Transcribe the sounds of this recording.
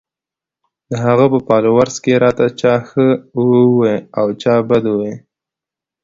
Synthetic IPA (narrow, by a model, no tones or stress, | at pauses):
d̪əɦaɣapəpɑlowaɾzkeɾɑt̪at͡ʃɑxə | weawt͡ʃɑbad̪uwe